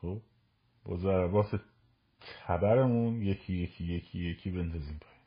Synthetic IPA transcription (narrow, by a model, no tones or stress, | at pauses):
xob | bɒ̰ːzæɾæbɒːse | t̪ʰæbæɾe̞munje̞cʰijecʰijecʰijecʰiːbent̪ɒziːmpʰɒjiːm